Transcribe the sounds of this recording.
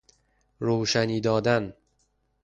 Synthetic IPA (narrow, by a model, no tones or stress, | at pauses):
ɾoːʃæniːd̪ɒːd̪æn